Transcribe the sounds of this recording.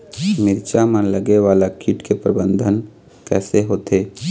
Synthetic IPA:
mɪɾt͡ʃamə̃ləɡeʋaːlakʰiʈkepɾəbə̃nd̪ʱən | kɛ̰ːseɦoːt̪eː

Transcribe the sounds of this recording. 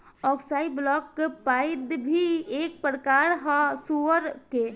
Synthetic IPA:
ɔksajblɔkːpajd̪bʱiek̚pɾəkaɾɦɔsuəɾke

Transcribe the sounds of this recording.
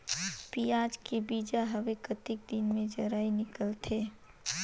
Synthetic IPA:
piːaːd͡ʒkebiːd͡ʒaɦɐʋekət̪ɪk̚d̪ɪnmẽd͡ʒɐɾaːinɪkəlt̪ʰeː

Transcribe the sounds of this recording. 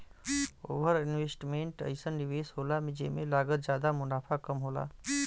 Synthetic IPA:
o̰ːʋəɾinweːsʈmẽɳʈə̰ɪsənːiʋeːsɦoːlamẽd͡ʒḛmelaːɡət̪̚d͡ʒjaːd̪amʊnaːpʰakəmɦoːla̰

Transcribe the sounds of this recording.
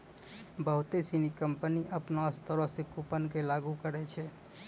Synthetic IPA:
bəɦut̪esinikəmpəniʔəpnaəst̪əɾɔsẽkupənkelaɡukəɾɛt͡ʃʰɛ

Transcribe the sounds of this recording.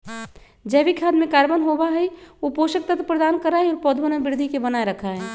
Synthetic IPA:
d͡ʒɛbikʰaːd̪mẽkaːɾbənɦobaɦɛopoːʃək̚t̪ət̪pɾəd̪aːnkəɾaːeɔːɾpɔːd̪ʱbənabɪɾd̪ʱikebənaːeɾəkʰaɦɛː

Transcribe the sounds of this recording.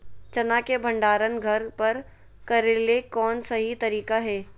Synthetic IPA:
t͡ʃɐnakebʱɐ̃ɳɖaːɾənɡʱɐɾpɐɾ | kɐɾelekɔːnsɐɦit̪ɐɾiːkaɦɛː

